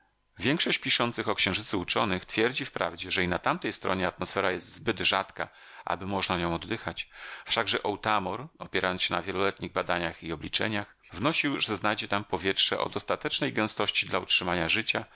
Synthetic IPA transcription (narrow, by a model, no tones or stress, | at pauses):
vʲjɛŋkʂɔɕt͡ɕpʲiʂɔnt̪sɘxɔkɕɛ̃w̃ʐɘtsɘut͡ʂɔnɘxt̪fʲjɛɾd͡ʑifpɾa̰vd͡ʑɛʐɛinat̪amt̪ɛjst̪ɾɔ̰ɲɛat̪mɔsfɛɾajɛst̪zbɘd̪ʐat̪ka̰ | ʔa̰bɘmɔʐnaɲɔ̃w̃ɔd̪ːɘxat͡ɕfʂaɡʐɛʔɔwt̪amɔɾɔpʲɛɾajɔnsɕɛnavʲjɛlɔlɛt̪ɲiɣbad̪aɲaxiɔblʲit͡ʂɛ̰ɲax | vnɔɕiwʐɛznajd͡ʑɛt̪ampɔvʲjɛtʂɛʔɔ̰d̪ɔst̪at̪ɛt͡ʂnɛjɡɛ̃w̃st̪ɔɕt͡ɕid̪lautʂɘmaɲaʐɘt͡ɕa